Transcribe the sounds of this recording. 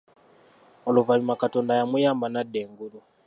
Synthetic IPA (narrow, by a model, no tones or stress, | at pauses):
ɔluvaɲimakatɔndajamujambanadɛŋɡulu